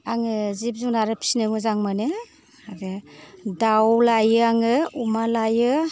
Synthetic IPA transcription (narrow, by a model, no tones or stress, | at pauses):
aŋɯzip̚zuŋnaɾɯpʰi̥snɯmɯzaŋmanɯ | adedawlajɯaŋɯumalajɯ